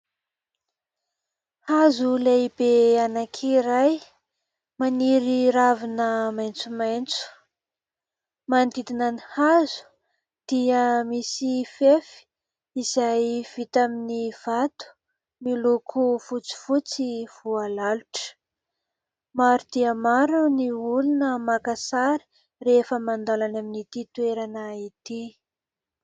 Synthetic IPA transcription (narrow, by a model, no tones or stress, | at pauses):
hazulejbeanakʰiɾaj | maniɾiɾavinəmajnt͡sumajnt͡su̥ | mand̪id̪inənihazu̥ | d̪̥iəmisifefi̥ | izajv̥it̪aminiv̥at̪u̥ | milukʰufut͡si̥fut͡siv̥ualaluʈ͡ʂə̥ | maɾud̪̥iəmaɾuniulunəmakasaɾi̥ | refəmand̪alanaminit̪it̪ueɾanəit̪i